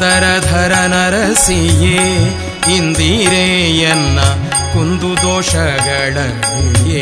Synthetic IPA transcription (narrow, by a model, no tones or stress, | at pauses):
ɐɾɐd̪ʱɐɾɐnɐɾɐsijeː | ind̪iɾejɐnːɐ | kund̪ud̪ɔːʃɐɡɐɭɐuje